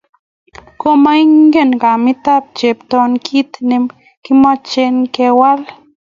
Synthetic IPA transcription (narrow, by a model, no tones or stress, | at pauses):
komaiŋɡenkamit̪ap̚t͡ʃept̪onkʰit̪nem | kimat͡ʃenkewal